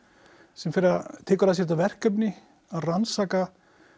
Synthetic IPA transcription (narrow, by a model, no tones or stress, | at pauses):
sɛmfɪɾɪɾat̪ʰɪːkaɾlas̬jɛɾt̪avɛr̥kœpnɪ | aðransaːka